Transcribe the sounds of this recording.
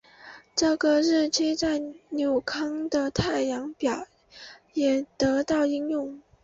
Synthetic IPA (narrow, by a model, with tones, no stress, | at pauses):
ʈ͡ʂɤ˥˩ɡə˨˩ɻ̩˥˩t͡ɕʰi˥t͡sa˥˩ɪnjo˨˩ʊkʰɑ˥ŋd̪ə˨t̪ʰa˥˩ɪjɑ˧˥ŋpjɑ˨˩ʊ | jɛ˨˩t̪ɤ˧˥t̪ɑ˥˩ʊi˥ŋjʊ˥˩ŋ